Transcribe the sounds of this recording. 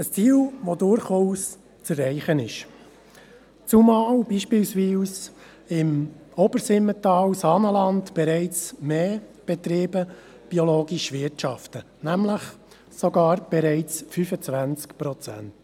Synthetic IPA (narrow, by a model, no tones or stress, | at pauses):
əst͡siːlʋodʊɾχuːs | t͡sərɛɪχənɪʃ | t͡sumɑːwbiːʃpiːlsʋiːs | ɪmɔbəɾsɪmːətɑːwsɑnəlɑndb̥ɛɾɛɪt͡smeːb̥ɛt̪ɾeːbə | b̥iɔloːɡiʃʋɪtʃɑftə | næmləχ | sɔɡɑːɾb̥ɛɾɛɪt͡sfyfət͡sʋænt͡skpɾɔt͡sæ̰nt